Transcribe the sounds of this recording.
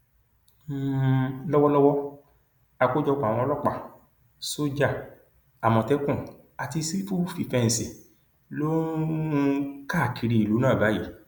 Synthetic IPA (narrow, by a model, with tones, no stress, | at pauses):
lɔ˦wɔ˦lɔ˦wɔ˦ | a˧ko˦d͡ʒɔ˧k͡pa˨w̃ɔ̃˧˦lɔ˦k͡pa˦˨ | so˦d͡ʒa˦˨ | a˨mɔ̃˨tɛ˦kũ˦˨ | a˨ti˧si˦fu˦fi˨fɛ˧n̩˨si˨ | lo˦ | ka˦˨ki˧ɾi˧˨i˨lu˨˦nãː˦˨ba˨˦ji˨˦